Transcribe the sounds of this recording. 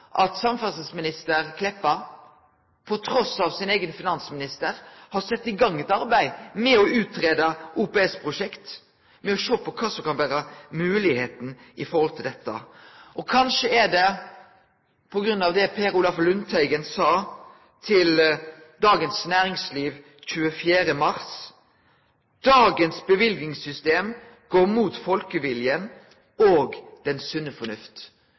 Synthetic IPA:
ʔɑt̪sɑmfɑsəsmɪnɪst̪əɾkʰlɛpːə | pʰɔt̪ʰɾɔsɑʋsɪneɪɡənfɪnɑnsmɪnɪst̪əɾhɑɾsɛt̪ːɪɡɑŋːɛt̪ɑɾbæɪmɛɔʉːt̪ɾeːd̪əʔuːpɛɛspʰʁʊʂɛkt̪ | mɛɔʃoːpɔkʰɑːsɔmkɑnʋæːɾəmʉːlɪheːt̪n̩ɪfɔɾhɔlt̪ʰɪld̪ɛt̪ːə̰ʔɔkʰɑnʂəɛɖɛ | pʰɔɡɾʉnːɑʋd̪ɛpʰeːɾulɑflʉnt̪ʰæɪɡənsɑː | t̪ʰɪl | d̪ɑːɡənsnæːɾɪŋsliːʋ | c͡çʉːəfjæːɾəmɑʁs | d̪̥ɑːɡənsbəʋɪlɡnɪŋsʏst̪eːm | ɡ̥oːɾmuːt̪fɔlkəʋɪljən | oːɡd̪̥ɛnsʉnːəfɔnʉft̪

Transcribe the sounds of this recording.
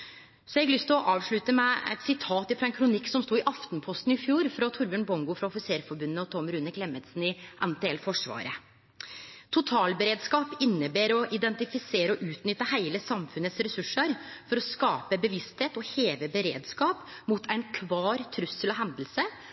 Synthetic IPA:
sɔɛɡlʏst̪ɪlɔʔɑːʋʂɭʉt̪əmæɪɛ̰t̪sɪt̪ʰɑːt̪ɪfɾɑɛnkʰɾʊnɪkːsɔmst̪uːɪʔɑft̪npʰɔst̪n̩ɪfjuːɾfɾɑt̪ʰʊɾbøːɳbɔŋɡʊfɾɑɔfɪseːɾfɔɾbʉnːəɔt̪ʰɔmɾʉnəkʰlɛmət̪sn̩ɪʔɛnt̪ʰeːɛlfɔʂʋɑ̰ːɾə̰ | t̪ʰʊt̪ʰɑːlbəɾeːd̪skɑːpɪnːəbeːɾɔʔɪd̪ɛnt̪ɪfɪseːɾəɔʔʉːt̪nʏt̪ːəhæɪləsɑmfʉnət̪sɾɛsʉʂːəɾfɔɾɔskɑːpəbəʋɪst̪heːt̪ɔheːʋəbəɾḛːd̪skɑːp | mut̪ʰæɪnkʰʋɑːɾt̪ʰɾʉsːəlɔɦɛnd̪l̩sə

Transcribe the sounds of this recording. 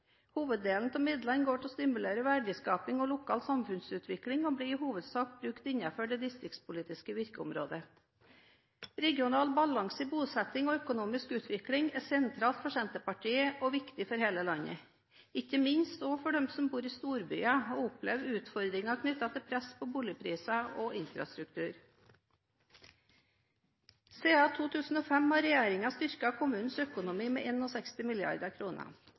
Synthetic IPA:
huːʋəd̪d̪eːlnt̪ʰɔmɪd̪lɑnɡoːʈʰɛɔst̪ɪmʉleːɾəʋæɖɪskɑːpɪŋɔlʊkʰɑːlt̪sɑmfʉnsʉːt̪ʰʋɪklɪŋɔbliːɪhuːʋəd̪sɑːkbɾʉkt̪ɪnːɑføːɖɛd̪ɪst̪ɾɪkt̪spʊliːt̪ɪskəʋɪɾkəʊ̰mɾo̰ːd̪ə | ɾɛɡjʊnɑːlbɑlɑŋsəbuːsɛt̪ɪŋɔœkʊnuːmɪskʉːt̪ʋɪklɪŋɛsɛnt̪ʰɾɑːlt̪fɔʃɛnt̪əpɑʈʰiːəʔɔʋɪkt̪ɪfɔɾheːləlɑnə̰ | ɪçəmɪɲst̪ɔːfɔɖɛmsɔmbuːɾiːst̪uːɾby̰ːɑɔʊplɛʋd̪ʉːt̪fɔɾd̪ɾɪŋɑkʰnʏt̪ːɑt̪ʰɪlpʰɾɛspʰɔbuːlɪəpʰɾiːsɑɔɪnfɾɑ̰st̪ɾʉk̚t̪ʰʉːɾ | seːɑːt̪ʰuːt̪ʰʉːsn̩ɔːfɛmhɑɾɛjeːɾɪŋɑst̪ʏɾkɑkʰʊmʉːnn̩sœkʊnʊmiːmɛ̰ːʔeːnɔsɛkst̪ɪmɪlɪɑ̰ɾd̪əkʰɾuːnə̰

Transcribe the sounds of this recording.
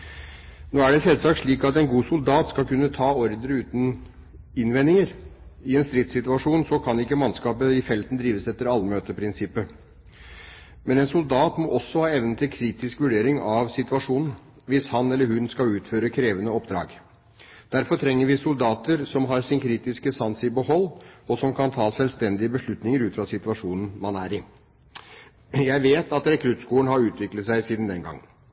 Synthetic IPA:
noːæɖɛsɛlsɑːk̚t̪ʂɭiːkɑt̪ɛnɡuːsʊld̪ɑːt̪skɑlkʉnːət̪ʰɑːɔɾd̪əɾəʉːt̪n̩ | ɪnʋɛnːɪŋəɾɪɛːnst̪ɾɪt̪sɪt̪ʉɑʂuːnsɔkʰɑnɪkːəmɑnskɑːpəɪfɛlt̪n̩d̪ɾiːʋəsɛt̪ːəɾɑlːmøːt̪əpʰɾɪnsɪpːə | mɛnɛnsʊld̪ɑːt̪mɔʔɔsːɔhɑːɛʋnət̪ʰɪlkʰɾiːt̪ɪskʋʉɖeːɾɪŋɑʋsɪt̪ʉɑʂuːnn̩ | ʋɪshɑnɛlːəɾhʉnskɑlʉːt̪føːɾəkʰɾeːʋənəɔpd̪ɾɑ̰ːɡ | d̪̥æɾfɔɾʈ̪ʰɾɛŋːəɾʋɪsʊld̪ɑːt̪əɾsɔmɦɑɾsɪnkʰɾiːt̪ɪskəsɑnsɪbəhɔlːɔsɔmkʰɑnt̪ʰɑːsɛlst̪ɛnd̪ɪəbəʂɭʉt̪nɪŋəɾʉːt̪fɾɑsɪt̪ʉɑʂuːnn̩mɑnæɾɪ | jæɪʋeːt̪ʰɑt̪ɾɛkʰɾʉt̪skuːənɦɑɾʉːt̪ʰʋɪklət̪sæɪsiːd̪n̩d̪ɛnɡɑ̰ŋːə

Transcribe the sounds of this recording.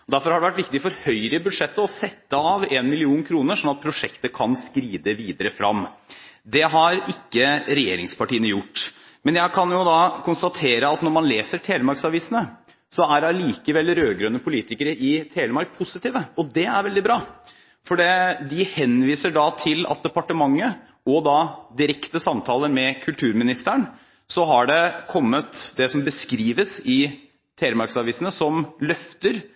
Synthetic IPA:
ɔd̪æɾfɔɾhɑɖɛʋæʈʋɪkt̪ɪfɔɾhœʏɾəbʉd̪ʂɛt̪ːəɔsɛt̪ːəɑʋenmɪlɪuːnkʰɾuːnəʂɔnːɑt̪̚pʰɾʊʂɛkt̪əkʰɑnskɾiːd̪əʋiːd̪əɾəfɾɑ̰mːd̪ɛɦɑɾɪkːəɾɛjḛːɾɪ̰ŋspɑʈiːənəjʊʈː | mɛnjæɪkʰɑnjʊd̪ɑkʰʊnst̪ɑt̪ʰeːɾəɑt̪nɔɾmɑnleːsəʈʰeːləmɑɾksɑʋiːsənə | sɔæɖɑliːkəʋɛlːɾøːɡɾœnːəpʰʊliːt̪ɪkəɾəɪt̪ʰeːləmɑɾk̚pʰʊsɪt̪iːʋəɔd̪ɛæɾʋɛld̪ɪbɾɑː | fɔɖɛd̪ɪhɛnʋiːsəɖɑt̪ʰɪlɑ̰t̪̚d̪ɛpɑʈəmɑŋːə | ɔd̪ɑd̪ɪɾɛkt̪əsɑmt̪ʰɑːləɾmɛkʰʉlt̪ʰʉːɾmɪnɪst̪əɳ | sɔɦɑɖɛkʰɔmːət̪d̪ɛsɔmbəskɾiːʋəsɪ | t̪ʰeːləmɑɾksɑʋiːsənəsɔmlœft̪əɾ

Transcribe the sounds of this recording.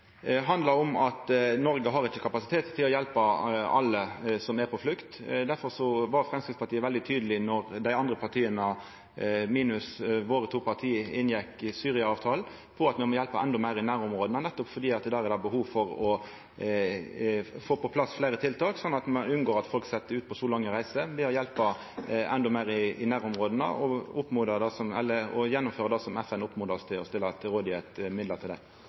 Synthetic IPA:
ɦɑnd̪ləɾɔmɑt̪nɔɾɡəɦɑɾɪçːəkʰɑpɑsɪ̥t̪ʰeːt̪tʰːɪlɔjɛlpəɑ̰lːəsɔmæɾpʰɔflʉkt̪d̪æɾfɔɾsɔʋɑɾfʁɛmskɾɪtspɑɾt̪ʰiːəʋɛld̪ɪt̪ʰyːd̪əlɪnɔɾd̪æɪɑnd̪ɾəpʰɑʁt̪ʰiːənə | miːnʉsʋoːɾət̪ʰuːpʰɑʁt̪ʰiːəɪnjɛkːsyːɾɪɑɑːʋt̪ʰɑːl | pʰɔɑt̪mɛmɔjɛlpəɛnd̪ɔmæɪɾɪnæːɾʊmʁoːd̪nənɛt̪ːɔpfɔɾd̪iːɑt̪̚d̪æːɾɛd̪æbəɦuːʋfɔɾɔ | foːpɔpʰlɑsːfleːɾət̪ʰɪlt̪ʰɑːksɔnːɑt̪mɛnʉnɡoːɾɑt̪fɔlksɛt̪ːəʉːt̪̚pʰɔsɔlɑŋːəɾæɪsəb̪ɪhɑɾjɛlpɑ | ɛ̰nd̪ɔmæɪɾɪɪnæːɾʊmʁoːd̪ənə̰ʔɔʊpːmʊːd̪əd̪ɑsɔmɛ̰lːəɔjɛnːʊmføːɾʁɑd̪ɑːsɔmɛfɛnʊpmʊd̪ɑst̪ʰɪlɔ̰st̪ɪlːət̪ɾoːd̪ɪæt̪mɪd̪lət̪ʰɪld̪æ̰ɪ

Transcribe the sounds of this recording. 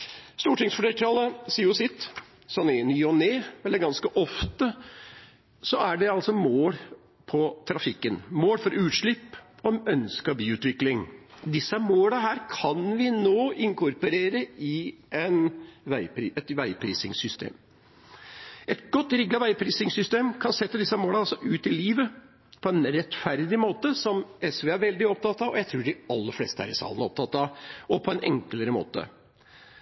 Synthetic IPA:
st̪uːʈɪŋsfɔʈɛlʈ̪ʰɾɑːləsiːʊsɪt̪ | sɔnɪnyːɔneːɛlːəɾɡɑnskəʔɔft̪ə | sɔæɖɛɑlsɔmoːl | pʰɔt̪ʰɾɑfɪkːənmoːlfɔɾʔʉːt̪ʂɭɪpːɔmœnskɑbiːʉːt̪ʋɪklɪŋd̪ɪsːəmoːləɦæːɾkʰɑnʋɪnoːɪŋkʊɾpɔɾeːɾəɪɛnʋæɪpɾiːɛt̪ʋæɪpʰɾḭːsɪŋsʏst̪ḛːm | ʔɛt̪ɡ̥ɔt̪ːɾɪɡːɑʋæɪpʰɾiːsɪŋsʏst̪eːmkʰɑnsɛt̪ːəd̪ɪsːɑmoːlɑɑlsɔʔʉːt̪ɪliːʋə | pʰɔɛnɾɛt̪fæɾd̪ɪmoːt̪əsɔmɛsʋeːæɾʋɛld̪ɪɔp̚t̪ʰɑt̪ːɑʋɔjæɪt̪ʰɾuːɖɪɑlːəɾflḛːst̪əhæ̰ɾɪsɑ̰ːlənəɔp̚t̪ʰɑt̪ːɑɔpʰɔɛnʔɛ̰ŋkləɾəmo̰ːt̪ə̰

